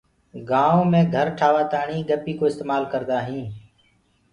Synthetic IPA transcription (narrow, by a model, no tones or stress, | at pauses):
ɡaːõːmẽːɡʱəɾʈʰaːʋaːt̪aːɳiːɡəpiːkoːɪst̪eːmaːlkəɾd̪aːɦĩː